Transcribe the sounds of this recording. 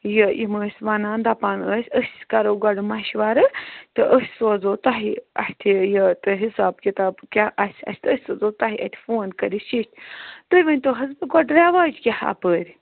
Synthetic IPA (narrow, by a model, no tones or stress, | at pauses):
jəʔiməːsʲʋanaːnd̪apanəsʲəsʲsʲkɐɾoːɡɔɖɨmɐʃiʋaɾɨt̪ɨʔəsʲsoːzoːt̪ɐɦiɐ̰ht̪ʲʰijət̪ɨɦisaːbkʲit̪aːbkʲaʔɐsʲʰɐ̰sʲt̪ʰəsʲsozoːt̪aɦiʔɐ̰hʲt̪ʰʲi̥foːnkəɾʲiʃiʃt̪ʰʲt̪əɾʲʋɐnʲt̪oɦɐzbɨɡɔɖɾaʋaːd͡ʒkʲaha̰pəːɾʲ